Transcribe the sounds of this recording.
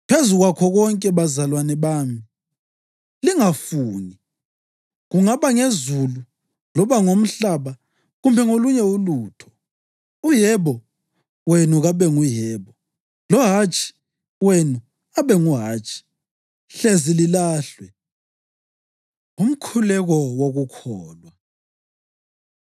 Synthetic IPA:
pʰezuɣwakʰɔɣɔŋkʼɛβazalwanɛβaːmi | liŋafuːni | ɣuŋaβaŋezulu | lɔβaŋom̩ɬaβa | ɣumbʱɛŋoluɲɛuluːtʰɔ̥ | ujɛβɔ | wenuɣaβɛŋujɛːβɔ | lɔɦat͡ʃʼʰi̥ | wenu | aβɛŋuɦaːt͡ʃʰʼi̥ | ɬezililaːɬwɛ | um̩kʰulɛɣɔwoɣukʰɔːlwa

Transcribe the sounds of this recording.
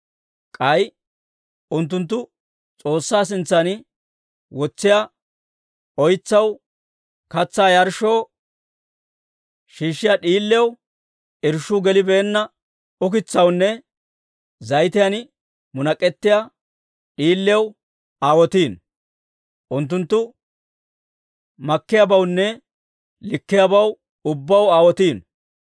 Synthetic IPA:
kʼɐj | ʊnt̪̬ːʊnt̪̬ːʊ | t͡sʼo̞ːsːaːs̬ɪnt͡sːɐn | wɔt͡sːɪja | ɔjt͡sːɐw | kɐt͡sːaːjɐɾʃo̞ː | ʃiːʃːɪjaɗiːlːɪw | ɪɾʃːuɡɛlɪbeːnːɐ | ʊk̬ɪt͡sːɐwnːɛ | zɐjt̪ɪjɐn | mʊnɐkʼːɛt̪ːɪja | ɗiːlːɛw | aːwɔt̪iːn | ʔʊnt̪̬ːʊnt̪ːʊ | mɐkːɪjabɐwnːɛ | lɪkːɪjabɐw | ʊbːɐwaːwɔt̪iːn

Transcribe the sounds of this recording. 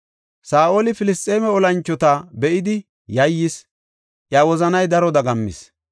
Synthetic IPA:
saːʔo̞ːlɪfɪlɪst̪ʼːe̞ːmɛɔlɐnt͡ʃːɔt̪abɛʔɪd̪ɪ | jɐjːɪs | ʔjawɔzɐnɐjd̪ɐɾɔd̪ɐɡɐmːɪ̰s

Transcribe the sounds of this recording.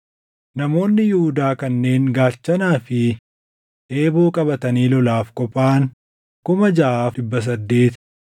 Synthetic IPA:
nɐmo̞ːnːɪjʊhʊd̪aːkɐnːe̞ːŋɡaːt͡ʃːɐnaːfɪ | ʔe̞ːbo̞ːkʼɐbɐt̪ɐniːlɔlaːfkʼɔpʼːaːŋ | kʊmɐd͡ʒɐʔaːfɪbːɐs̬ɐd̪ːe̞ːt̪

